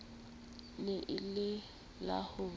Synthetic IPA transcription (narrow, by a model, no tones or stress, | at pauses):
lɪʔɪlɪ | la̰hʊ